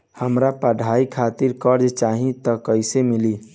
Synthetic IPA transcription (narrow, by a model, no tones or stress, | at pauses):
həmɾapəɖʱaikʰat̪iɾkəɾd͡ʒt͡ʃaɦĩt̪əkəɪsemili